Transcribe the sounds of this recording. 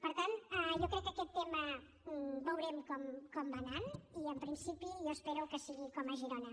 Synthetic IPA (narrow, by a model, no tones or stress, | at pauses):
pəɾt̪anɛʒokɾɛkːəkɛt̪ːemə | bəwɾɛmkɔmkɔmbananiəmpɾinsipiʒoəspɛɾuwkəsiɣikɔməʒiɾɔnə